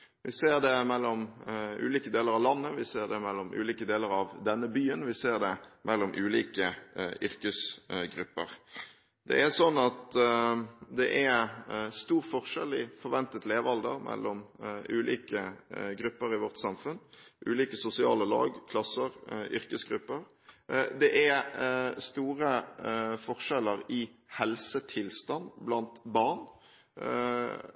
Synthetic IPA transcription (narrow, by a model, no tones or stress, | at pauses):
ʋʔɪseːʁd̪ɛmɛlːɔmʉ̰ːliːkəd̪eːləɾɑʋlɑnːəʋɪseːʁd̪ɛmɛlːɔmʔʉ̰ːliːkəd̪eːləɾɑʋd̪ɛnːəbyːənʋɪseːʁd̪ɛmʔɛlːɔmʔʉːliːkəʔʏɾkəsɡɾʉpːəʁ | d̪ɛ̰æsɔnːɑt̪ | d̪ɛʔæst̪uːʁfɔʁʂɛlɪfɔʁʋɛnt̪ət̪leːʋɑld̪ə̰ʁmʔɛ̰lːʔɔmʉːlḭːkəɡɾʉpːəɾɪʋɔʁt̪sɑmfʉnʔʉ̰ːliːkəsʊsɪɑ̰ːləlɑ̰ːɡkʰlɑsːəɾʏɾkəsɡɾʉpːəɾ | d̪ɛʔæ | st̪uːʁəfɔʁʂɛləɾɪhɛlsət̪ʰɪlst̪ɑnblɑnt̪bɑʁn